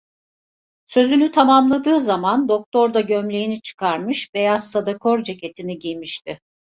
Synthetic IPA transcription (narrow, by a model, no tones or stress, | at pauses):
sø̞zynyt̪ʰamamlˠad̪ɯːzamand̪ok̚t̪ʰo̞ɾd̪aɟømlʲe̞jinit͡ʃʰɯ̥kʰaɾmɯʃbe̞jazsad̪akʰoɾd͡ʒecʰe̞t̪ʰiniɟijmiʃt̪ɪ